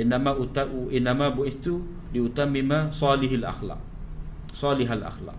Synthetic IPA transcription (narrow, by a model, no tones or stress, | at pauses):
ʔɪnːamat̪aʔɪnːamabuʔɪθt̪u | liut̪amːɪmasˤɑːlɪɦalʔa̰xlɑ̰ʔ̚ | sˤɑːlɪɦalʔa̰xlɑ̰ʔ̚